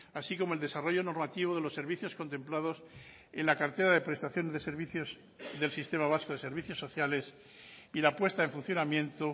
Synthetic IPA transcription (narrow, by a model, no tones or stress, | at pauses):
asiko̞moe̞ld̪e̞saro̞ʝo̞no̞ɾmat̪iβ̞oðe̞lo̞sːe̞ɾβ̞iθjo̞sko̞nt̪emplað̞o̞s | ḛnlakaɾt̪e̞ɾaðe̞pɾe̞st̪aθjo̞ne̞zðeseɾβiθjoz | ðe̞lsist̪e̞maβ̞askoðe̞seɾβiθjo̞sːo̞θjale̞s | ilapwe̞st̪aeɱfun̟θjo̞namjẽ̞nt̪o